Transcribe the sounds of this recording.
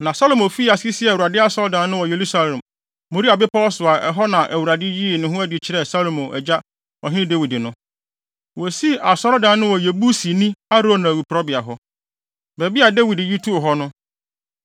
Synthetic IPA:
nã˨sa˦lo˨mõ˨fi˦a˨si˦sɪ˦ɛ˨u˨ɾa˨dɪ˦a˦sɔ˦ɾdã˨˦nʊ̃˦wɔ˨je˨ɾu˦sa˦lã˨mː | o˨ɾi˦a˨bɪ˦pʰa˦ɔ˦sʊ˨a˨ɛ˨ɦɔ˦nã˨ʔæ˨wu˨ɾa˨dɪ˦ji˦˨nʊ̃˨ɦʊ̃˦æ˦dɪ˨t͡ɕʰɪ˦ɾɛ˦sa˦lo˨mõ˨ʔɛ̰˨d͡ʑa˦ | ɔ̰˨ɦɪ̃˦nɪ̃˦dɛ˦wi˨dɪ˨nʊ̃˦ | wɔ˨si˦ʔa˨sɔ˦ɾɔ˦dã˨˦nʊ̃˦wɔ˨je˨bu˦si˨nĩ˦a˦ɾo˦˨nã˨wu˨pɾɔ˦bɪ˨a˨ɦɔ˦ | bɛ˨bi˦a˨dɛ˦wi˨dɪ˨ji˦tʰu˦˨ɦɔ˦nʊ̃˦

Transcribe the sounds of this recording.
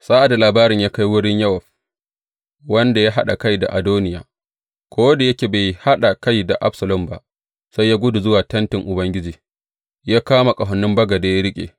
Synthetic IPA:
saː˦ʔa˨da˨laː˨baː˦ɾɪ˨ɲjaː˦ka˦jwʊ˦ɽɪ˦ɲjɐ˦wɐ˨ɸ | wɐ˦nda˨ja˦ɦa˦ɗa˨ka˦jda̰˨ʔa˨doː˦nɪ˦ja̰ː˨ | kʷʰoː˦wda˨jɐ˦kʲeː˨ba˨jha˦ɗa˨ka˦jda˨ʔa̰˦bsɐ˨lʊ˦mba̰˦ | sa˦jaː˦ɡʷʊ˦du˨zʊ˦waː˨tɐ˦ntɪ˨ŋʔʊ˨bɐ˦ŋɡʲɪ˦d͡ʒiː˨ | jaː˦kaː˦ma˨kʼɐ˨ɦɐ˨nːʊ˦mbɐ˦ɡa˨da˨ja˦ɾɪ˦kʲʼḛː˨

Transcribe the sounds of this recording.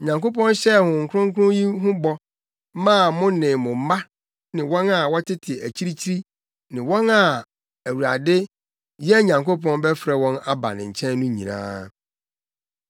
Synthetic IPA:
ɲã˨ŋko˦pɔ̃˦nɕɛ˦˨hʊ̃˨ŋ̩˨kʰʊ̃˦ŋ˦kʰʊ˦ʊ̃˦ji˦ɦʊ̃˦bɔ˦ | mã˦˨mʊ̃˦nɪ̃˨mʊ̃˨m̩˦ma˦ | nɪ̃˨wɔ̃˦na˨wɔ˦tʰɪ˦tʰɪ˨ɛ˨ʔæ˨t͡ɕʰi˦ɾi˦t͡ɕʰi˦ɾi˦ | nɪ̃˨wɔ̃˦na˨ | æ˨wu˨ɾa̰˨dɪ˦ | jɛ˦ɲã˨ŋko˦pʰɔ̃˦nbɛ˦fɾɛ˨wɔ̃˦na˦ba̰˨nɪ̰̃˨ɲ̩˨t͡ɕʰɛ̃˦nnũ˦ɲḭ̃˨nã̰ː˦

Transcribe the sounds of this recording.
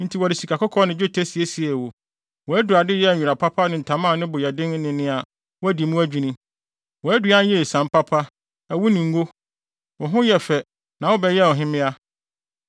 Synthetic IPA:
n̩˦tʰi˨wɔ˨dɪ˨si˨kʰa˨kʰʊ˦kʰɔ˦nɪ̃˨d͡ʑᶣo˦tʰæ˦si˨e˦si˨ɛ˨wo˨ | wɔ˨æ˦du˨a˨dɪ˦jɛ˦˨ɲᶣu˨ɾa˨pʰa˦pʰa˦nɪ̃˨n̩˨tʰa˨mãː˦˨nɪ̃˦bʊ˨jɛ˨dɪ̃˦ŋ˦nɪ̃˨nɪ̃˦a˨ | wɔ˦æ˦di˨mũ˦æ˦d͡ʑᶣi˨nĩ˦ | wɔ˨æ˦du˨˦a˦n˦jɛ˦˨sã˨m˦pʰa˦pʰa˦ | æ˨wu˦nĩ˨ŋ̩˦ɡo˦ | wɔ˨ɦʊ̃˦jɛ˨fɛ˨ | nã˨wɔ˦bɛ˦jɛ˦˨ɔ˨ɦɪ̃˦mɪ̃˦a˦

